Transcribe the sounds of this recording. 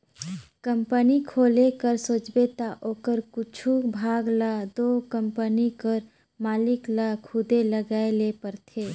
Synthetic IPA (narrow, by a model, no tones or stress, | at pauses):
kəmpənikʰoːlekəɾsot͡ʃbet̪aʔoːkəɾkʊt͡ʃʰubʱaːɡlad̪oːkəmpənikəɾ | maːlɪklakʰʊd̪eləɡaːelepəɾt̪ʰeː